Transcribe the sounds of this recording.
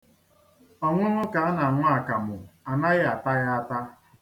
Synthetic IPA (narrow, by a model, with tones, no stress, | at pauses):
ɔ˨ŋʷʊ˦ŋʊ˦ka˨˦na˨ŋʷa˦a˨ka˨mʊ˨a˨na˦ɣɪ˦a˨ta˦ɣa˦a˦ta˦